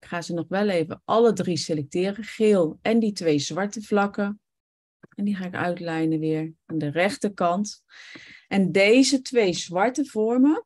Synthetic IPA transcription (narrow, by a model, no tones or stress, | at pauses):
ɪkχaːzənɔχʋɛlˠejvəʔɑlədriselɛk̚tɪːrəχɪlˠɛnditʋejzʋɑɹtəvlɑkə | ɛndiχaːɪkœ̰ɥtlɛjnəʋɪːɹaːndərɛχtəkɑnt | ɛndejzətʋejzʋɑɹtəvɔɹmə